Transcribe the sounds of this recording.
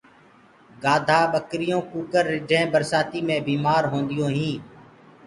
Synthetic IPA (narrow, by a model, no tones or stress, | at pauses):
ɡaːd̪ʱaːɓəkɾɪjõːkuːkəɾːɪɖʱẽːbəɾsaːt̪iːmẽːbiːmaːɾɦõːnd̪ɪjõːɦĩː